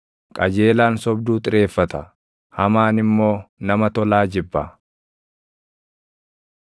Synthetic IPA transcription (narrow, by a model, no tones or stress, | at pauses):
kʼɐd͡ʒe̞ːlaːnsɔbd̪uːt̪ʼɪɾe̞ːfːɐt̪ɐ | hɐmaːnɪmːo̞ːnɐmɐt̪ɔlaːd͡ʒɪbːɐ